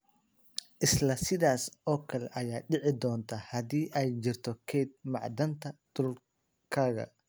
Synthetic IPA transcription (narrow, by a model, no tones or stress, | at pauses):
ʔɪslɐsɪðaːsɔːkʰɐlɛ̰ʔɐjaːɖɪʕɪd̪ɔːnt̪ʰɐhɐðiːʔɛjt͡ʃɪrt̪ʰɔkʰɛːd̪̚mɑʕd̪ɐnt̪ʰɐd̪̥ʊl | kʰaːɣɐ̰